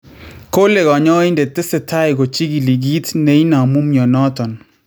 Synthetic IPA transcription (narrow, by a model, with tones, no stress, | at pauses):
ko˦le˨ɡɔ˨ɲɔ˦ɪ˦nde˨tɪ˦sɪ˨tʰa˦ɪ˨ɡo˨t͡ʃi˦ɡi˨li˨ɡi˦tne˨i˦na˨mu˦mjɔ˨nɔ˦tɔ˨n